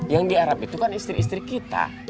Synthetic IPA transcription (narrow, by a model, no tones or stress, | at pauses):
jaŋdiaɾapit̪ukanist̪ɾiːst̪ɾikit̪a̰